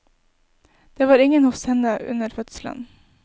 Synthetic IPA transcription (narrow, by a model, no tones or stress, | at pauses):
d̪̥eːʋɑːɾɪŋənhʊfsɛnəʔʉ̰nəɾfœt̪slə̰n